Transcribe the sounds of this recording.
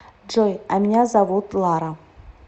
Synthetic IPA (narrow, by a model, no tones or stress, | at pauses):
d͡ʒojamʲinʲazɐvut̪lˠaɾɐ